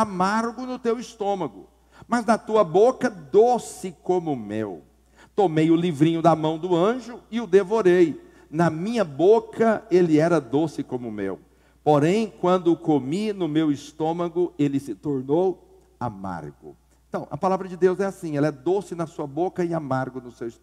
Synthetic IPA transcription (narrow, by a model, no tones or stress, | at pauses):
amaɾɡʊnʊt̪ewist̪õmɐɡʊ | mɐznɐt̪uɐbokɐd̪osɪkõmʊmḛw | t̪omejʊlivɾĩɲʊd̪ɐmɐ̃w̃d̪ʊɐ̃ʒʊɪʊd̪evoɾej | nɐmĩɲɐbokɐelɪɛɾɐd̪osɪkõmʊmḛw | poɾẽj̃kwɐ̃nd̪ʊkominʊmewist̪õmɐɡʊelɪsɪt̪oɾnow | a̰ma̰ɾɡʊ̰̃ | t̪ɐ̃w̃ʔɐ̰palavɾɐd͡ʒɪd̪ewzɛasĩɛlɐɛd̪osɪnɐsuɐbokɐɪamaɾɡʊnʊsews